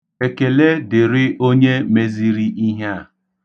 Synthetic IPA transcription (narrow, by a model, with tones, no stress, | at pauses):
e˨ke˨le˦dɪ˨ɾɪ˦o˦ɲe˦me˦zi˦ɾi˦ʔi˦ɦa˦˨